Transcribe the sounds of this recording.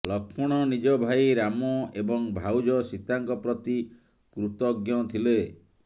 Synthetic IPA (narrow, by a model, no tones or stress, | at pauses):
lɔkʰpʰɔɽ̃ɔnid͡ʒɔbʱajɾamɔebɔŋbʱawd͡ʒɔsit̪aŋkɔpɾɔt̪i | kɾut̪ɔɡjɔt̪ʰile